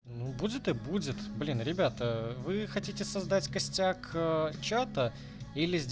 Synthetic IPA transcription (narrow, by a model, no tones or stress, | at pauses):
nubudʲɪt̪ɨbudʲɪt̪blʲinɾʲɪbʲat̪əvɨxɐtʲitʲɪsɐzd̪atʲkɐsʲtʲakət͡ɕat̪ə | ilʲɪzʲdʲ